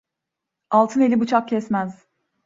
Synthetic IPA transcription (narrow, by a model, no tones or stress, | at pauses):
alˠt̪ʰɯne̞lʲibut͡ʃʰak̚cʰɛsmæz̥